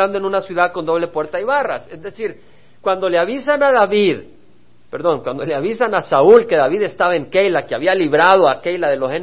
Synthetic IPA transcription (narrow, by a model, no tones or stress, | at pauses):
and̪oe̞nunasjuðaðko̞nd̪o̞βle̞pwe̞ɾt̪aiβara̰sezðe̞siɾ | kwand̪o̞leaβisanaðaβið | pe̞ɾðo̞ŋkwand̪o̞leaβisanasaulke̞ðaβiðest̪aβae̞ŋkejlakeaβialiβɾaðo̞akejlaðe̞losen